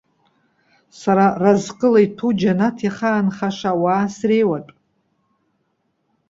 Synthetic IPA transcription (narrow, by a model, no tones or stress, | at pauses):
saɾarazqʼəlajtʰud͡ʒanatʰiχaːnχaʂawaːsrejwatʼ